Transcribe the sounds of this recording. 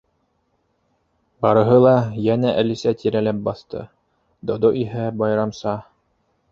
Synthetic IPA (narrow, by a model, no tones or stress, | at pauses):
bɑɾɤ̆ɦɤlˠɑjænæʔælisæt̪ʰiɾælæp̚bɑθt̪ɤ̰ | d̪od̪oʔiɦæbɑjɾɑmsɑ